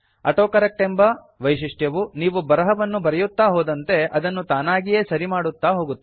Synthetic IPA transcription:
ɐ̰ʈoːkɐɾɐk̚ʈembɐ | ʋɐjʃiʂʈjɐʋuniːʋubɐɾɐɦɐʋɐnːubɐɾɛjut̪ːaːɦoːd̪ɐnt̪e̞ɐd̪ɐnːut̪aːnaːɡije̞ːsɐɾimaːɽut̪ːaːɦo̞ːɡut̪ːi

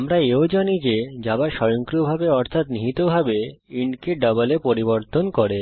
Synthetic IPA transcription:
amɾaeod͡ʑanid͡ʑed͡ʑabaʃɔjoŋkɾobʱabeɔɾt̪ʰat̪niɦit̪obʱabeiɳɖkeɖɔbalepoɾiboɾt̪onkoɾe

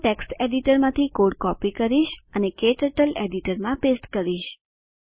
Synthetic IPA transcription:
ʈeksʈeɖiʈəɾmãt̪ʰikoɽkɔpikəɾiʃənekeʈəʈəleɖiʈəɾmãpesʈkəɾiʃ

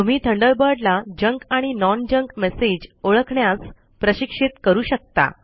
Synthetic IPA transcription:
t̪um̤iːt̪ʰəɳɖəɭbəɖlad͡ʑəŋkaɽ̃inɔnd͡ʑəŋkmesed͡ʑoɭəkʰɳjas | pɾəɕikʂit̪kəɾuːɕək̚t̪a̰

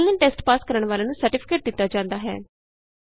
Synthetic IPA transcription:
lːə̃nʈɛːsʈpaːskəɾəɳʋaːlaːnũːsəɾʈɪpʰɪ̥keːʈ̚d̪ɪt̪ːaːd͡ʒãːnd̪aːɦɛ̰ː

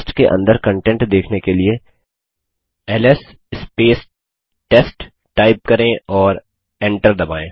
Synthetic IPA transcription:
sʈkeʔɐ̰̃nd̪əɾkə̃ɳʈɛ̃ɳʈd̪eːkʰnekelie | ɛːlɛs | ɪspeːs | ʈesʈ | ʈaːɪp̚kɐɾẽɔːɾ | ɛ̃ɳʈəɾd̪ɐbaːẽː

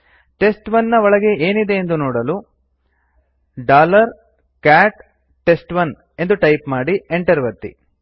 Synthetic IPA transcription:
ʈe̞sʈʋɐnːɐʋɔɭɐɡe̞eːnid̪e̞ːnd̪unɔːɽɐlu | ɖaːlɐɾ | kaːʈ | ʈe̞sʈʋɐn | e̞nd̪uʈɐjpmaːɽieɳʈɐɾʋɐɾt̪ḭ

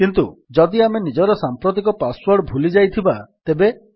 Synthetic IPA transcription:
kint̪ṵd͡ʒɔd̪iamenid͡ʒɔɾɔsampɾot̪̬ikɔpaswɔɾɖbʱulid͡ʒajt̪ʰibat̪ebe

